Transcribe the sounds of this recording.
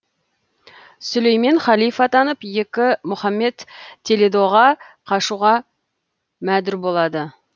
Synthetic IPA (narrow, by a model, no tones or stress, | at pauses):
sʊlejmenχɑlˠijfɑt̪ʰɑnəpje̞kʲɪmʊχɑmːe̞t̪ʰːeled̪oʁɑqʰɑʃuʁɑ | mæd̪ʏɾbo̞lˠɑd̪ə